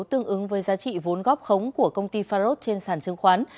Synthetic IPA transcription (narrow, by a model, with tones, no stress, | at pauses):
wt̪ɨ˧əŋʔɨ˨˦ŋvəː˨˦jzaː˨˦t͡ɕḭ˧˨vo˨˦nɣɔ˦˥p̚xə˨˦wŋ͡mku˧˩əkə˧wŋ͡mt̪i˧faː˧zo˦˥t̚t͡ɕe˧nsaː˧˩nt͡ɕɨ˨˧ŋxwaː˨˦n